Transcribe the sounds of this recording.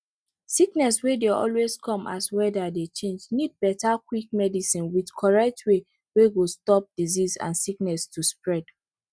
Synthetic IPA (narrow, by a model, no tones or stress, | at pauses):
siknɛswedeɔ̰lweskʰɔ̃mʔa̰swɛdadet͡ʃẽnd͡ʒnid̚bɛtakwik̚mɛdisĩnwidkʰɔɹɛk̚tʰwe | weɡostɔp̚d̥izizã̰nsiknɛstʰuspɹɛd̥